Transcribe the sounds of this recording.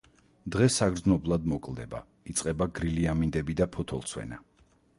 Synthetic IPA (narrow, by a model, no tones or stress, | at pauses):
d̪ʁɛsaɡɾd̪znɔblˠad̪mɔkʼlˠd̪ɛba̰ | it̪sʼqʼɛbaɡɾiliamind̪ɛbid̪apʰɔt̪ʰɔ̰lˠtsʰwɛ̰na